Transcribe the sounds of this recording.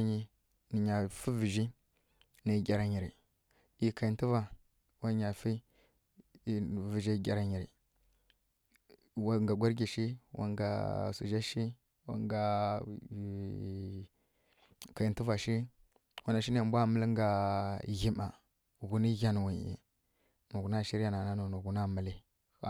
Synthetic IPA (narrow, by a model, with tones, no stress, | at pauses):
ɲi˨ | ni˨ɲa˨fi˦vi˨ʒi˦ | na˨ɡʲa˨ɾa˨ɲi˨ɾi˨ | i˨ka˨i˨n˦ti˦va˨ | wa˦ɲa˨fi˦˨ | vi˨ʒi˦ɡʲa˨ɾa˨ɲi˨ɾi˨ | wa˦˨ŋɡa˨ɡʷa˦ɾɡʲi˨ʃi˦wa̰˨ŋɡa̰˨sṵ˨ʒa˦ʃi˦ | wa̰˨ŋɡa˨ | ka˨i˨˦ti˦va˨ʃi˦ | wa˦na˨ʃi˦n˦˨mbʷa˦˨mə˦li˦ŋ˦ɡa˨ɣi˦ma˨ | ɣu˨ni˦ɣa˦n˨wi˨ḭ˨ | nu˨u˨˦na˦˨ʃi˦ɾi˦ja˦na˨na˦no˨nu˨ɡu˨na˦mə˨li˦ | a˨